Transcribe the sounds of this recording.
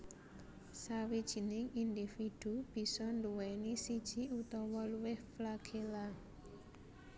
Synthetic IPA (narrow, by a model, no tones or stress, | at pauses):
sawid̥ʒ̥i̤nɪŋind̪ifid̪̥ub̥i̤sɔnduwɛnisid̥ʒ̥i̤ut̪ɔwɔluwɪhflaɡ̥ʰela